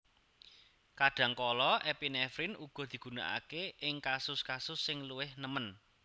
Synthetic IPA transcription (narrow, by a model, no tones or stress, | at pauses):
kaɖ̥ä̤ŋkɔlɔʔɛpinɛfɾɪnuɡ̥ɔ̤d̪̥i̤ɡ̥ṳna̰ʔa̰keʔɪŋkasʊskasʊsːɪŋluwɪhnəmən